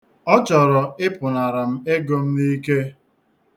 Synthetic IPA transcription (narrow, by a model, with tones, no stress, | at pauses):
ɔ˦t͡ʃɔ˨ɾɔ˨ɪ˦pʊ˨na˨ɾa˨m̩˦e˦ɡo˦m̩˦ni˦ke˦